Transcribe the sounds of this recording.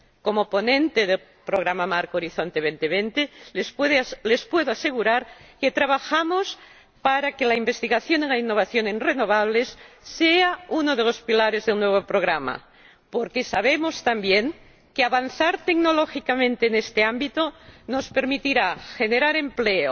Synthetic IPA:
komoponẽnt̪eðel | pɾoɣ̞ɾamamaɾkoɾiθont̪eβent̪eβent̪elspeðlespweðoase̞ɣuɾaɾket̪ɾaβ̞axamos | paɾakelaimbest̪iɣaθjonenlainːoβ̞aθjonenrenoβ̞aβ̞lesː | eaunoðelospilaɾezðelnːweβ̞opɾoɣɾama̰ | poɾkesaβ̞emost̪ambjeŋ | keaβanθaɾt̪eɡnoloxikamẽnt̪eːnest̪eambit̪onospeɾmit̪iɾaxeneɾaɾempleo

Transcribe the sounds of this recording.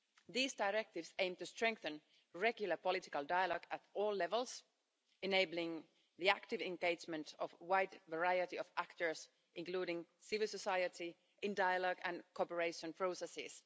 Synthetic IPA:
ðiːzdaɪɹɛk̚tɪvsẽɪ̃mtɨstɹ̥ɛ̃ŋk̚θə̃n | ɹɛɡjʊl̩ˠəpɔlɪtɪkəlˠdaɪəlɔɡətɔːlˠlɛvəlˠs | ɨneɪblɪ̃ŋ | ðiæktɪvɛ̃nɡeɪd͡ʒmə̃ntɔvwaɪdvəɹaɪɨtiɔvæktə˞s | ʔɪ̃ŋkl̥uːɾɪ̃ŋsɪvɪlˠsəsaɪəti | ʔɪ̃ndaɪəlɔɡɨ̃nkʰɔpəɹeɪʃə̃npʰɹ̥oʊsɛsɪ̰s

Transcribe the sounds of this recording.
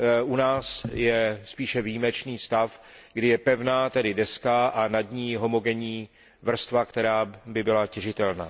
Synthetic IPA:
ʔunaːsjɛspiːʃɛvijimɛt͡ʃniːst̪af | ɡdɪjɛpɛvnaːt̪ɛdɪdɛskaʔanadɲiːɦo̞mo̞ɡɛɲiː | vr̩st̪vakt̪ɛɾaːbɪbɪlacɛʒɪt̪ɛlna̰ː

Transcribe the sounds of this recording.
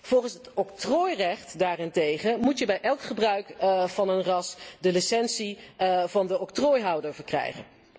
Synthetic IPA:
v̥ɔlˠχənsɦətɔk̚troːjrɛχtdaːrɪntejχəmutjəbɛjʔɛlˠkχəbrœɥkvɑnənrɑsdəlisɛnsivɑndəɔk̚troːjɦɑwdəɹvəɹkrɛ̰jχə̰n

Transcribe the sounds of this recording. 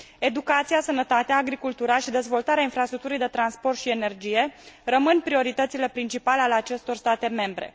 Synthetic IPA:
e̞d̪ukat̪sijasənət̪at̪eaːɡɾikult̪uɾaʃid̪e̞zvo̞lt̪aɾeainfɾast̪ɾukt̪uɾijd̪et̪ɾanspo̞rt̪ʃiene̞rd͡ʒije̞rəmɨnpɾio̞ɾit̪ət̪sile̞pɾint͡ʃipalealeat͡ʃe̞st̪o̞rst̪at̪e̞me̞mbɾe̞̰

